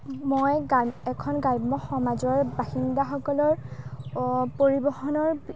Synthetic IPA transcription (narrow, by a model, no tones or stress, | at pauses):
mojɡɛkʰɔnɡajbmɔxɔmazɔɹbaxindaxɔkɔlɔɹ | poɹibɔxɔnɔɹ